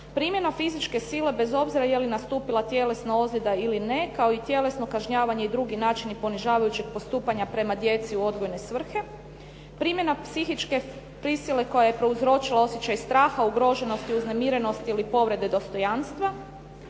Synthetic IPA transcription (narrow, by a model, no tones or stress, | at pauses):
pɾimje̞nafizit͡ʃke̞sile̞be̞zo̞bziɾajelinast̪uːpilˠat̪je̞le̞snao̞zled̪ailine̞kao̞it̪je̞le̞sno̞kaʒɲaːʋaɲe̞id̪ɾuɡinaːt͡ʃinipo̞niʒaːʋajut͡ɕeɡ̥̚po̞st̪uːpaɲapɾe̞mad̪je̞t̪siuo̞d̪ɡo̞jne̞sʋr̩xe̞ | pɾiːmje̞napsixit͡ʃke̞ | pɾisile̞ko̞jajepɾe̞uzɾo̞t͡ʃilˠao̞sjet͡ɕajst̪ɾaːxauɡɾo̞ʒe̞no̞st̪iuzne̞miɾe̞no̞st̪iilipo̞ʋɾe̞d̪e̞d̪o̞st̪o̞janst̪ʋa